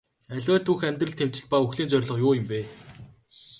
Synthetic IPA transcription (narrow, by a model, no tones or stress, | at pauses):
æɮʲwæːt̪ʰuxæmʲt̪rɘ̆ɮt̪ʰem̥t͡ɕɪ̆ɮ̚pauxɮiːnt͡sœɾ̆ʲɮɞ̆qjʊːjə̆mpeː